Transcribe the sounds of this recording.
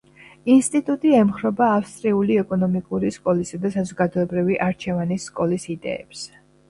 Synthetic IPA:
inst̪ʼit̪ʼut̪ʼiɛmχɾɔbaːfst̪ʼɾiuliɛkʼɔnɔmikʼuɾiskʼɔlisad̪asazɔɡad̪ɔɛbɾiviʔaɾt͡ʃʰɛvanisːkʼɔlisid̪ɛ̰ɛ̰ps

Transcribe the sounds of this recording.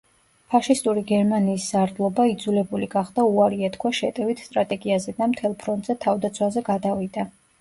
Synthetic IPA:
pʰaʃist̪ʼuɾiɡɛɾmaniːsz̥aɾd̪lˠɔbaid̪zulɛbuliɡaχd̪auaɾiɛt̪kʰwaʃɛt̪ʼɛvit̪ʰst̪ʼɾat̪ʼɛɡiazɛd̪amt̪ʰɛlˠpʰɾɔnt̪ʼz̥ɛt̪ʰavd̪at̪sʰwazɛɡad̪avid̪a

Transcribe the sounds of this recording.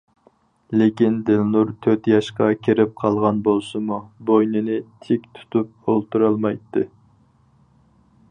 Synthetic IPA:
lekʲind̪ɪlnuɾt̪ʰøɾt̪jɑʃqɑkʲʰeɾɪp̚qʰɑlˠʁɑnbolˠsɨmubojnɨnɪt̪ʰɪkʲt̪ʰu̥t̪up̚olˠt̪uɾɑlˠmɑjt̪ːɨ

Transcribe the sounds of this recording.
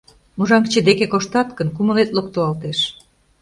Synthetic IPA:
muʒɑŋt͡ɕəd̪ekekoʃt̪ɑt̪kənkumə̆let̪lokt̪oɑlt̪eʃ

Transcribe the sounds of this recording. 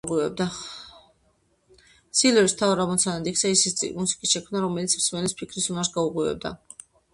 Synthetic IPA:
ʁwivɛb̚d̪a | silɛɾist̪ʰavaɾamɔt̪sʰanad̪iksɛisḭmusi̥kʼisʃɛkʰmnaɾɔmɛlit̪sʰmsmɛnlispʰikʰɾisunaɾsɡauʁʼwivɛ̰b̚d̪a̰

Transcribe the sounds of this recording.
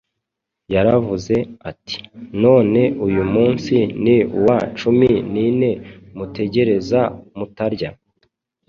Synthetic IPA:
jaɾavuze̞ati̥no̞ːne̞ʔujumuːnsiniṵwat͡ʃuminine̞mute̞ɟe̞ɾe̞zamutaɾɟa

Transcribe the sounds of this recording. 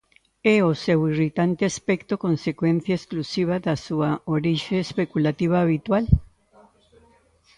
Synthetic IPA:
ɛosewirit̪ant̪easpekt̪okõnsekwẽn̟θjaesklusiβ̞aðasuaoɾiʃeːspekulat̪iβ̞aːβ̞it̪wal

